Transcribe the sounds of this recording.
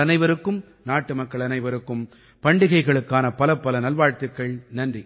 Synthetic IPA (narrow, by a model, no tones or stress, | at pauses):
ɐnɐɪʋɐɾɯkːɯm | naːʈːɯmɐkːɐɭɐnɐɪʋɐɾɯkːɯm | pɐɳɖɪɣɐɪɣɐɭɯkːaːnɐpɐlɐpːɐlɐnɐlʋaːɻt̪ɯkːɐɭnɐndri